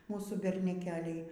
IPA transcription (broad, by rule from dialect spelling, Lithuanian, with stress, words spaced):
ˈmuːsuː bʲɛrʲnʲɛˈkʲæːlʲɛɪ